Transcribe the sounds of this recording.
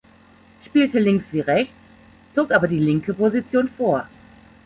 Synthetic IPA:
ʃpiːltəlɪŋksv̥iːʁɛçt͡s | t͡soːkʔaːbɐdiːlɪŋkəpozit͡sjoːnfoːɐ

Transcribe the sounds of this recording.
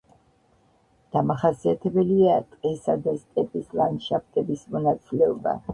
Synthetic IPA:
d̪̥amaχasiat̪ʰɛbɛliat̪ʼqʼɛsad̪ast̪ʼɛpʼislanʃapʰt̪ʼɛbismɔnat̪sʼilɛɔba̰

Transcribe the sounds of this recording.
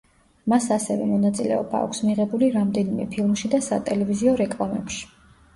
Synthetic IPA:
masasɛvɛmɔnat̪sʼilɛ̰ɔba̰ːkʷʰsmiʁɛbuliɾamd̪ɛnimɛpʰilˠmʃid̪asat̪ʼɛlɛviziɔɾɛkʼlˠamɛpʃi̥

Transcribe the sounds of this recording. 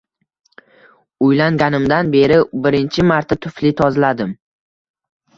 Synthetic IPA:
ʊjlaŋɡʲanɪmd̪anbe̞ɾɪbɪɾɪnt͡ʃʰɪmaɾt̪ʰat̪ʰʊflɪt̪ʰɒzlad̪ɪm

